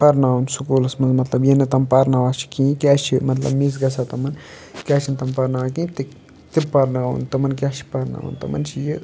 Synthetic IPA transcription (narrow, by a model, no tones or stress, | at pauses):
pɐɾnaːwunsukulɐsmɐnzmɐt̪lɐbjenɨt̪ɐmpɐɾnaʋaːt͡ʃʰi̥kĩːkʲaːt͡ʃʰimɐt̪lɐ̰bmis̬ɡɐsat̪ɐmɐn | kʲaːt͡ʃʰint̪ɐmpɐɾnaʋakĩːt̪i | t̪ipɐɾnaːṵnt̪ɐmɐnk̬ʲat͡ʃʰi̥pɐɾna̰ːṵnt̪ɐmɐ̰nt͡ʃʰiji